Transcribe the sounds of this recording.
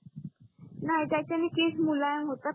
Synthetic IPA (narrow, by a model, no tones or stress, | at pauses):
najt̪at͡ɕjanikesmulajənɦot̪a